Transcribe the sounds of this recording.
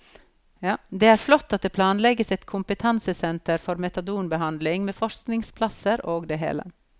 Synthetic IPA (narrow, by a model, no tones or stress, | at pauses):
d̪eːæːɾflɔt̪ːɑt̪̚d̪eːpʰlɑːnlɛɡəsɛt̪kʰʊmpət̪ʰɑnsəsɛnt̪əɾfɔɾmɛt̪ɑd̪uːnbəɦɑnd̪lɪŋmeːfɔʂknɪŋspʰlɑsəɾoːɡd̪eɦḛːlə̰